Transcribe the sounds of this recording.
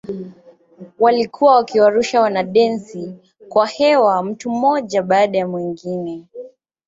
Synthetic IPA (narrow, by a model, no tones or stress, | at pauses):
walikʰuwawakiwaɾuʃawanaɗɛnsi | kwahɛwam̩tum̩mɔʄaɓaːɗajamwiŋɡinɛ